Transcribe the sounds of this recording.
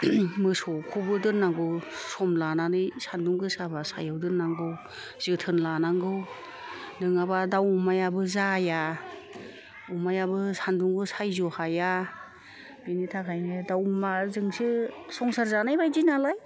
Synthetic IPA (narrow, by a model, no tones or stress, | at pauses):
mɯsɔkʰubɯdɯɾnaŋɡɯwsɔmlananɯjsanduŋɡɯsabasa̰jawdɯɾnːaŋɡɯw | z̥ɯtʰɯnlanaŋɡɯw | nɯŋabadawmajabɯzaja | umajabɯsanduŋɡɯsajzɔhaja | binitʰakʰajnɯdawmazɯŋsisɔŋsaɾzanajbajdinalaj